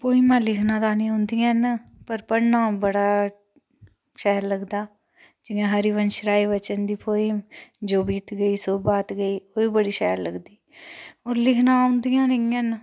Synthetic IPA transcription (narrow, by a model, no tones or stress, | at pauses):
poːimãːlɪkʰnãːd̪aːnĩːɦʊ̃nd̪ijanpəɾpəɽnãːbəɽaː | ʃɛɦɾləɡd̪aː | d͡ʒɪjãːɦəɾiːʋənʃəɾaːiːʋət͡ʃənd̪iːpʰoːimd͡ʒoːbiːt̪ɡəiːsoːbaːt̪ɡəiːoːiːbəɽiːʃɛːɾləɡd̪iːoːɾlɪkʰnãːʊ̃nd̪ijãːnəiən